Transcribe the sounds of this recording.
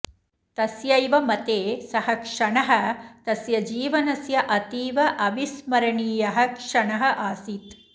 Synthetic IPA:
t̪ɐsjɐjʋɐmɐt̪eːsɐhɐkʂɐɳɐɦɐ̆t̪ɐsjɐd͡ʒiːʋɐnɐsjɐʔɐt̪iːʋɐʔɐʋismɐɾɐɳiːjɐɦɐ̆kʂɐɳɐɦɐʔaːsit̪

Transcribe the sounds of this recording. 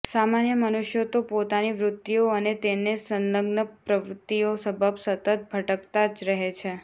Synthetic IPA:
samanjəmənuʃjot̪opot̪aniʋɾʊt̪ːioənet̪enesənləɡnəpɾəʋɾut̪ːiosəbʱəbsət̪ət̪̚bʱəʈəkt̪ad͡ʒɾəɦet͡ʃʰe

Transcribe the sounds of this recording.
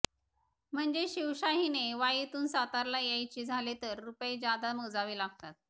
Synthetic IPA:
m̤əɳd͡ʑeɕiwɕaɦineʋajit̪uːnsat̪aɾlajajt͡ɕiːd͡zʱalet̪əɾːuped͡ʑjad̪aməd͡zaʋiːlaɡ̚t̪at̪̚

